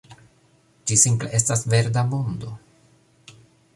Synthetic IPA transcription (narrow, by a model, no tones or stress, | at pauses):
d͡ʒisimple̞ʔe̞stasve̞ɾdamo̞ndo̞